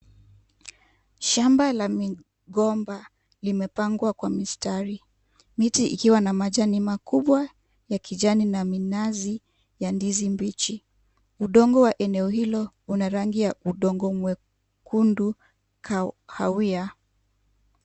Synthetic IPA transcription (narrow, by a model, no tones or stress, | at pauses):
ʃambalami | ɡɔmba | limɛpaŋɡwakwamistaɾi | mitiʔḭkiwanamaʄanimakuɓwa | jakʰiʄaninaminazi | jandizimbit͡ʃi | uɗɔŋɡɔwaʔɛnɛɔhilɔ | unaɾaŋɡijauɗɔŋɡɔmwɛ | kundu | kʰhawia